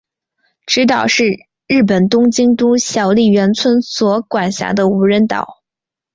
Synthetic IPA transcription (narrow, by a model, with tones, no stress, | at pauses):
ʈ͡ʂɻ̩˧˥t̪̬ɑ˨˩ʊʂɻ̩˥˧ | ɻɻ̩˥˩p̬ə˨˩nt̪ʊ˥ŋt͡ɕi˥ŋt̪u˥ɕjɑ˧˩ʊli˥˩ɥɛ˧˥nt͡sʰwə˥nswɔ˧˥kwa˨˩nɕja̰˧˥d̪ə˧u˧˥ɻə˧˥nt̪ɑ̰˨˩˦ʊ